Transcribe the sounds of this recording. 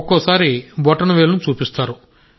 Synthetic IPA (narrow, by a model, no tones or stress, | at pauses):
kːoːsaːɾibɔʈɐnɐʋeːlɐnut͡ʃuːpist̪aːɾu